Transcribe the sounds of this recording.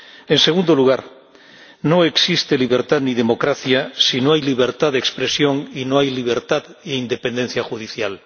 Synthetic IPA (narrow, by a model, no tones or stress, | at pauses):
enseɣund̪oluɣ̞aɾ | no̞e̞ksist̪e̞liβ̞eɾt̪aðniðe̞mo̞kɾaθjasinoajliβ̞e̞ɾt̪aðekspɾesjo̞ŋinoajliβ̞eɾt̪aðiind̪e̞pẽnd̪e̞n̟θjaxuð̞iθjal